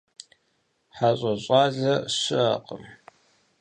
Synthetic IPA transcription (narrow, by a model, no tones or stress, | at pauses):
ħaɕʼɐɕʼɑːzɐɕɪʔɐ̰qʼə̰m